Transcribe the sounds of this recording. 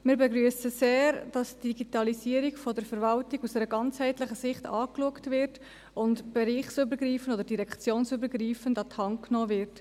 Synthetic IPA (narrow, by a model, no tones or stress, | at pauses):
mɪːɾbɛɡɾyəsəseːɾd̥ɑsd̥iɡitɑlisiːəɾiɡfɔdəɾfəɾvɑltiɡusdɛɾəɡɑnt͡shɛɪtlɪχəsɪχtɑ̰ːkluəktvɪɾt | ʊntb̥ɛɾiːχsybəɾɡriːfənodəɾdiɾɛkt͡sjoːnsybəɾɡriːfəndɑthɑŋknɔːvɪɾt